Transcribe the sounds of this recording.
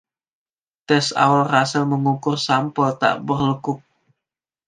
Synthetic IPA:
t̪ɛsa̰walrasəlməŋukʊrsampɔt̪a̰ʔbərləkʊk̚

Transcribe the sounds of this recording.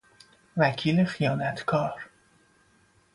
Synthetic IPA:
vækʰiːlexijɒːnæt̪ʰkʰɒːɾ

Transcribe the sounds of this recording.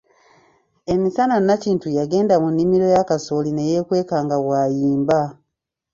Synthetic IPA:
e̞misananaciːntujaɡe̞ːndamunːimiɾo̞jakaso̞line̞je̞kwe̞ːkaːŋɡawajiːmba

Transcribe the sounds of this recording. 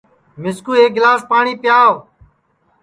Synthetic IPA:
mɪskuːeːɡɪlaːspaːɳiːpjaːʋ

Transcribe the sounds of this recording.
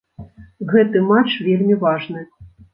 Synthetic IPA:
ɣɛt̪ɨmat͡ʂvʲelʲmʲivaʐnɨ

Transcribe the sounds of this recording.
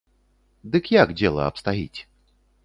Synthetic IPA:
d̪ɨkjakd͡zʲɛlˠɐ̰ɐ̰pst̪aɦʲḭt͡sʲ

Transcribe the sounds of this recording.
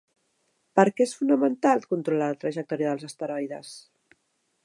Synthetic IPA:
pəɾkɛesfunəmənt̪alˠkunt̪ɾulalət̪ɾəʒək̚t̪ɔɾjəðəlˠzəst̪əɾɔjðəs

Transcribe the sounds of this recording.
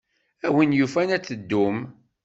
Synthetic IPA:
æwinjufænæt͡sːəd̪ːum

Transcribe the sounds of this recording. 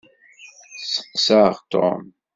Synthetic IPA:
səqːsaʁt̪o̰m

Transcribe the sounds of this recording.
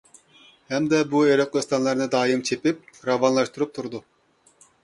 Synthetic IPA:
hɛmd̪ɛbueɾok̪̚ˠest̪ɑnlˠɑɾnɨd̪ɑːjɨmt͡ʃʰepip̚ɾɑvɑnlˠɑʃt̪uɾup̚t̪ʰuɾd̪u

